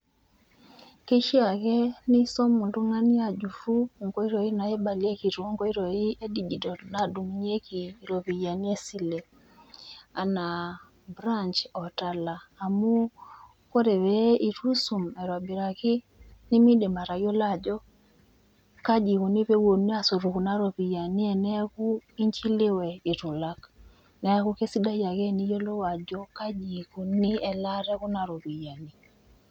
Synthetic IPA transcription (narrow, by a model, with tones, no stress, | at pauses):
ke˦ʃi˦a˨kɛ˦ni˦sɔ˦mu˨ndu˦ŋa˦ni˦a˨d͡ʒu˨fu˦˨ŋɡɔ˦i˦ɾɔ˨i˦na˨ɛ˦ɓa˨li˦ɛ˦ki˨ɾu˨ɔ˦ŋɡɔ˦i˦ɾɔ˨i˦ʔɛ˦di˨d͡ʒi˨dɔ˨ɾna˨du˨mu˨˦ɲ˦ɛ˦kiː˨ɾɔ˨βi˨ja˨ni˦ɛ˦si˦lɛ˨ | a˨na˨ | bɾa˦ɲt͡ʃɔ˨ta˨laː˨mu˦ | kɔ˦ɾɛ˨βɛ˨˦ʔi˨tu˦su˨mɛ˨ɾwa˨bi˨ɾa˨ki˦ | ni˦mi˦di˨ma˨ɾa˨jo˦la˦˨d͡ʒɔ˦ | ka˦d͡ʒi˨ku˨ni˦pe˦wo˨ni˦a˨so˨ɾu˨ku˨na˦ɾo˨pi˨ja˨ni˦ɛ˨nɛ˦ku˦i˦ɲt͡ʃi˦lɪ˦wɛ˨i˨tu˨la˦k | nɛ˦a˦ku˦ke˦si˦da˦ja˨kɛ˦ni˦jo˦lo˦wa˨d͡ʒo˦ka˦d͡ʒi˨ku˨ni˦ɛ˨la˦ɾɛ˦ku˦na˨ɾo˨pi˨ja˨ni˨